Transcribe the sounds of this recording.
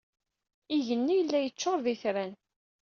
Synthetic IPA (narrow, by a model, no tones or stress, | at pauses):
iʝənːijəlːæjət͡ʃːoɾˤðiθɾæn